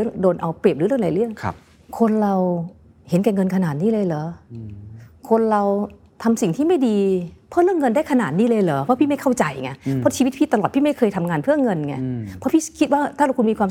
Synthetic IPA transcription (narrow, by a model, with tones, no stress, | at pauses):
ŋdoː˧nʔa˧wpe˨˩p̚ɾɯː˨˦ɾɯ˥˩ŋlaː˨˦ɾɯ˥˩əŋ̰ʰ˦ | kʰo˧nɾa˧w | he˩˦nkɛː˧˩ŋɤ˧nkʰa˧naː˨˩t̪̚niː˦˥˩lɤː˧jləː˩˦ | kʰo˧nɾa˧w | t̪ʰa˧msi˨˩ŋt̪ʰiː˥˩ma˥˩jdiː˧pʰɔ˦˥˩ɾɯ˥˩əŋːɤ˧ndaː˥˩jkʰa˧naː˨˩t̪̚niː˦˥˩lɤː˧jlɤː˩˦pʰɔ˦˥pʰiː˥˩ma˥˩jkʰa˥˩wt͡ɕa˧jŋa˧˥˩pʰɔ˦˥t͡ɕʰi˧w̪̚pʰiː˥˩t̪a˧lɔː˨˩t̪̚ʰiː˥˩ma˥˩jkʰɤː˧jt̪ʰa˧mŋaː˧npʰɯ˥˩əŋɤ˧nŋa˧˩pʰɔ˦˥pʰiː˥˩kʰi˦˥t̪̚waː˥˩t̪ʰaː˥˩ɾa˧wkʰu˧miː˧kʰwaː˧